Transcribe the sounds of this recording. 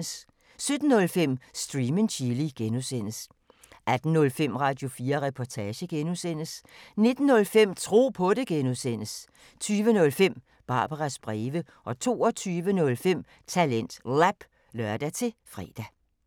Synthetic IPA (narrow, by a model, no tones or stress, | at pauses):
s | sød̥n̩ːɔ̽lfem̰sd̥ʁiːmənɕʰiliɡ̥enusen̰əs | ʔæd̥n̩nɔ̽lfem̰ʁɑ̈d̥jo̝fiːɐʁɛpʰɒt͡sʰɛːɕəɡ̥enusen̰əsne̝d̥n̩ːɔ̽lfem̰t͡sʰʁo̝̰ːpʰɔ̽ɾe̝ɡ̥enuðˠsen̰əs | t͡sʰyːʋənɔ̽lfem̰ | b̥ɑ̈ːb̥ɐʁɑsb̥ʁɛːʋə | ʔɒ̽t͡sʰo̝̰ːɒ̽t͡sʰyːʋənɔ̽lfem̰ | t͡sʰælen̰d̥læb̥ | lœɐd̥æt͡sʰe̝fʁɛ̰ːd̥æ